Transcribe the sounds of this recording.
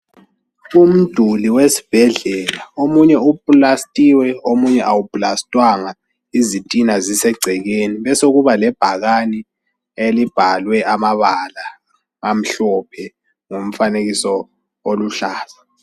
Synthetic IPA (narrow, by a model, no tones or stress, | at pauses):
um̩d̥ʱuliwesi̥b̥ʱɛɮɛlaomuɲɛupʼlastʼiwɛomuɲɛʔawupʼlastʼwaŋa | izitʼinazisɛɡ͡ǀʱɛɣeniβɛsoɣuβalɛb̥ʱaɣani | elib̥ʱalwɛʔamaβala | ŋam̩ɬɔpʰɛ | ŋom̩faneɣisɔ | oluɬaːza